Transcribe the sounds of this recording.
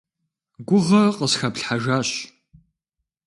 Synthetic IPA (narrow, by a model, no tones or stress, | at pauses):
ɡʷʊʁɐqəsxɐpɬħaʒaːɕ